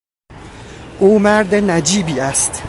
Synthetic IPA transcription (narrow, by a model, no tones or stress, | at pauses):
ʔuːmæɾd̪enæd͡ʒiːbiːæst̪